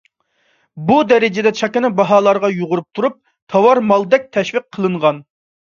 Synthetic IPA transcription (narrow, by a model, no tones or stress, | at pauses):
bud̪ɛɾɪd͡ʒɪd̪ɛt͡ʃʰɑkʲɪnɪbɑɦɑːlˠɑɾʁɑjuʁʊɾup̚t̪ʰuɾup̚ | t̪ʰɑwɑɾmɑlˠd̪ɛk̚ʲt̪ʰɛʃʋiq̚ʰːəlˠɨɴʁɑn